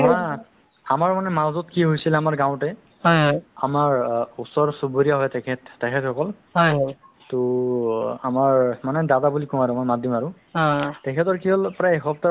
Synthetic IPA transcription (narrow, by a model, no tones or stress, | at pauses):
ma | amaɹmanɛmazɔtkiɦojsilɛamaɹɡãw̃tɛ | amaɹusɔɹsuboɹijaɦɔjtɛkʰɛtːɛkʰɛtxɔkɔl | ɦj | tʊ | a̰maɹmanɛdadabulikɔ̃aɹʊmɔjmadimaɹʊ | tɛkʰɛtɔɹkiɦɔlpɹajexɔpta